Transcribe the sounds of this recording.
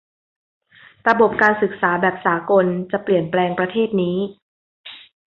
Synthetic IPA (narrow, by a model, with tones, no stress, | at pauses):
ɾa˧bo˨˩p̚kaː˧nsɯ˨˩k̚saː˩˦bɛː˨˩p̚saː˩˦ko˧nt͡ɕa˨˩pli˨˩ənplɛː˧ŋpɾa˧t̪ʰeː˥˩t̪̚niː˦˥